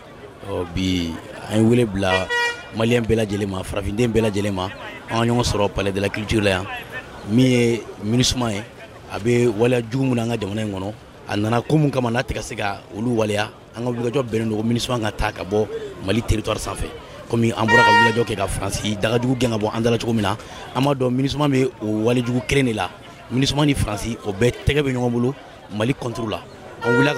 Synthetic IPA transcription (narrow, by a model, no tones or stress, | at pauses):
ɔbiã̰jeweleblamaliãbɛlad͡ʒɛlẽmafaɾafĩndẽbɛlad͡ʒɛlẽmaãŋkaɲɔɡɔ̃sɔɾɔpaladelakyltiɾlajã | mĩjeminisumãje | a̰bɛwalejad͡ʒuɡumũnaãŋkad͡ʒamanaĩkɔnɔ | a̰nanakomũkãmanatɛkasekaoluwaleja | ãŋkawulikad͡ʒɔbɛ̃nẽdokominismãŋkataka̰bɔmaliteɾituwaɾisãfɛ̰ | komĩʔã̰mbɔɾakawiilad͡ʒɔkɛkafɾãsidaɡad͡ʒuɡuɡɛ̃kabɔ̃ʔãndalat͡ʃoɡomĩna | ãmbadɔ̃minis̬imãbeowaled͡ʒuɡukelẽndela̰ | minisimãnifɾãsiobɛːtɛɡɛbɛɲɔɡɔ̃bolo | malikɔ̃ntoɾola̰ | ãwiliak